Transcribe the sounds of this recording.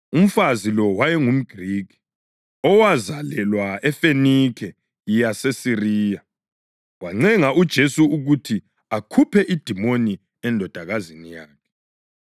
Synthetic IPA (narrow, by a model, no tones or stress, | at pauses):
um̩fazilɔwajɛŋum̩ɡ̥ʱriːkʰi̥ | ɔwazalɛlwaɛfenikʰɛ | jijasesiriːja | waŋ͡ǀɛŋaʔud̥ʒ̥ʱesuuɣutʰi | akʰupʰɛʔid̥ʱimoni | ɛndʱɔd̥ʱaɣazinijaːkʰɛ̥